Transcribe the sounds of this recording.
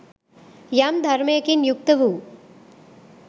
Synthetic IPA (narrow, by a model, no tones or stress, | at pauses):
jamd̪ʱɐɾmɐjɐkinjuk̚t̪ɐʋu